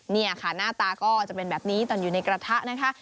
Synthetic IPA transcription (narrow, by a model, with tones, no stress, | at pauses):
ni˥˩ɐkʰa˥˩naː˥˩t̪aː˧kɔː˥˩t͡ɕa˨˩pe˧nbɛː˨˩p̚niː˦˥t̪ɔː˧njuː˨˩na˧jkɾa˧t̪ʰa˦˥ʔna˦˥kʰa˦˥